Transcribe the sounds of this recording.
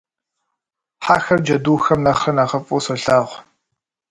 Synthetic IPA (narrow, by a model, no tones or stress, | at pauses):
ħaːxɐrd͡ʒɐduːxɐmnɐχrɐnɐʁɐpʼusɐɬaːʁʷ